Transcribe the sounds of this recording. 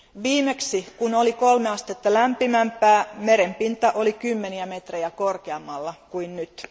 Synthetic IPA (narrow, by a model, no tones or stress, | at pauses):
ʋiːmeksikunolikolmeɑst̪et̪ːɑlæmpimæmpːˑæːmeɾempint̪ɑʔolikymːeniæmet̪rejækorkeɑmːɑlːɑkuinnyt̪